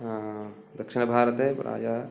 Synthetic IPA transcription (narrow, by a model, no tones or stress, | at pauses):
d̪ɐkʃinbʱaːɾət̪ḛɾa̰ːd͡ʒa